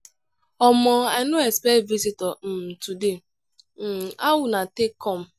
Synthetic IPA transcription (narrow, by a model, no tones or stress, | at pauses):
ɔmɔaɪnoɛspɛtvizitɔm̩tude | awʊnatekːɔm̩